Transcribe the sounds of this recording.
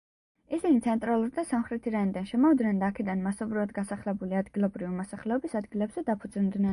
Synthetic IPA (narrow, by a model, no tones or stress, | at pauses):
isinit̪sʰɛnt̪ʼɾalˠuɾd̪asamχɾɛt̪ʰiɾanid̪anʃɛmɔvd̪nɛnd̪aːkʰɛd̪anmasɔbɾivad̪ɡasaχlɛbuliad̪ɡilˠɔbɾivimɔsaχlɛɔbisad̪ɡilɛbz̥ɛd̪apʰud̪zind̪nɛn